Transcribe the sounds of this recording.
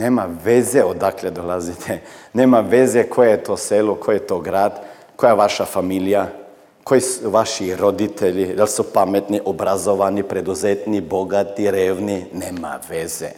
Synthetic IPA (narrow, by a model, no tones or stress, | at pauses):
neːmaʋezeod̪akled̪olazit̪ʰeneːmaʋezekʰojeet̪oːselokʰojet̪oɡɾaːd̪ | kojaʋaʃafamilija | kojisʋaʃiɾod̪it̪ʰeʎid̪alsupamet̪niʔobɾazoʋanipɾed̪uzet̪niboɡat̪iɾeːʋnineːma̰ʋez̥ḛ